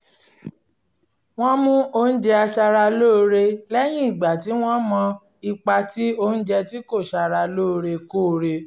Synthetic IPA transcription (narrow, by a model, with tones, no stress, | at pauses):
w̃ɔ̃˦mũ˦o˦n̩˦d͡ʒɛ˧a˧ʃa˧ɾa˧loː˦˧ɾe˧lɛ˦j̃ĩ˦i˦˨ɡ͡ba˨ti˨˦w̃ɔ̃˦mɔ̃˧ | i˧k͡pa˧ti˦o˧˦n̩˦d͡ʒɛ˧ti˦ko˦˨ʃa˧ɾa˧lo˦˧ɾe˧ko˦˨˧ɾe˧